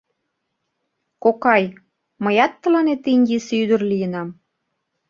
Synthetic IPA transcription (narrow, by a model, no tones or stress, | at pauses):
kokɑj | məjɑt̪ːə̆lɑnet̪iŋɡesyd̪ə̆rlijənɑm